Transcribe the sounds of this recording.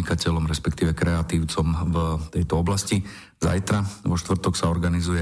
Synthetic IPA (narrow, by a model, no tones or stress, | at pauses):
ikacɛlɔmɾɛspɛkt̪iːʋɛkɾɛat̪iːʊt͡sɔmvt̪ɛjt̪ɔɔblasci | za̰jt̪ɾaʋɔʃt̪ʋr̩t̪ɔksaɔɾɡanizujɛ